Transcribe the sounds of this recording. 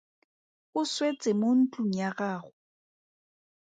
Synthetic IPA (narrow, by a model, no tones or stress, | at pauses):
ʊswet͡sʼɪmon̩tʼuɲ̩aɣaːɣʊ